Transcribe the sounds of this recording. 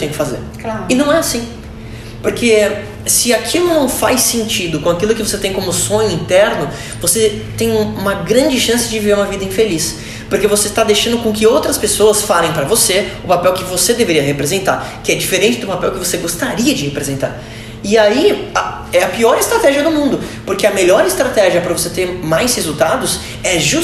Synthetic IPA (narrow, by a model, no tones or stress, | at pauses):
t̪ẽj̃kɪfazḛɾklaɾɪnɐ̃w̃ɛasĩ | poɾke | sɪakʰilʊnɐ̃w̃fajsẽnt͡ʃid̪ʊkõakilʊkɪvoset̪ẽj̃kõmʊsõɲʊĩnt̪ɛɾnʊ | voset̪ẽj̃ũũmɐɡɾɐ̃nd͡ʒɪʃɐ̃sɪd͡ʒɪviveɾũmɐvid̪ɐĩfelis | poɾkevoset̪ad̪eʃɐ̃nd̪ʊkõkɪowt̪ɾɐspesoɐsfalẽj̃pɾɐvoseʊpapɛwkɪvosed̪eveɾiɐɦepɾezẽnt̪a̰ɾkɪɛd͡ʒifeɾẽnt͡ʃɪd̪ʊpapɛwkɪvoseɡost̪aɾiɐd͡ʒɪhepɾezẽnt̪a̰ɾ | ɪaia | ɛɐpiɔɾɪst̪ɾat̪ɛʒiɐd̪ʊmũnd̪ʊpoɾkeɐmeʎɔɾɪst̪ɾat̪ɛʒiɐpɾɐvoset̪eɾmajshezuwt̪ad̪ʊs | ɛʒu